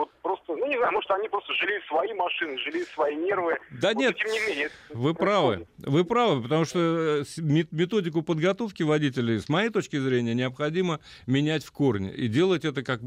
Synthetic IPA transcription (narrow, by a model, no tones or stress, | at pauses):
vot̪̚pɾost̪ənunʲɪznajʊmoʂt̪oɐnʲipɾost̪əʐɨlʲisvɐimɐʂɨnɨʐɨlʲisvɐinʲe̞rvɨd̪anʲet̪tʲemnʲɪmʲenʲɪət̪vɨpɾavɨ̰vɨpɾavɨpət̪ɐmuʂt̪osmʲɪmʲɪt̪o̞dʲɪk̬ʊpəd̪ɡɐt̪o̞fkʲɪvɐdʲitʲɪlʲɪjsmɐjejt̪o̞t͡ɕkʲɪzɾʲenʲɪjənʲɪɐpxɐdʲimə | mʲɪnʲætʲfko̞rnʲɪ̰ʔḭdʲe̞lˠətʲɛt̪əkak̚